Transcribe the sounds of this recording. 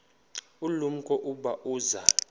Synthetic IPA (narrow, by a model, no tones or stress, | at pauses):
ulum̩kʼɔʔuɓaʔuːza